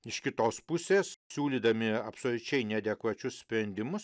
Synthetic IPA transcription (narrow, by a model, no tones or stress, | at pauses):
ɪʃkʲɪt̪oːspʊsʲeːssʲuːlʲiːd̪ɐmʲɪɐpsoːlʲʊt͡ʃʲɛɪnʲɛd̪ʲɛkʋɐt͡ʃʲʊssʲpʲɾʲɛnʲd̪ʲɪmʊs